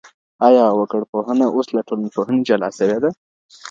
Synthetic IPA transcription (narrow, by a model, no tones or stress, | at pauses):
ɑjɑwəkəɽpoɦənaʔoslaʈʰolnpoɦəned͡ʒalɑ̰səwed̪a